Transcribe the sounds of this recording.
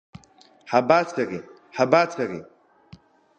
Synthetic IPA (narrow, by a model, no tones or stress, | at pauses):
ħabaːt͡sʰari | ħabat͡sʰarḭ